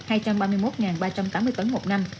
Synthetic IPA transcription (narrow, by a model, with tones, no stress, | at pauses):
haː˧jt͡ɕa˧mɓaː˧mɨ˧əjmo˦˥t̚ŋaː˨˩nɓaː˧t͡ɕa˧mt̪aː˨˦mːɨ˧əjt̪ə˨˦nmo˨˩t̚na˧m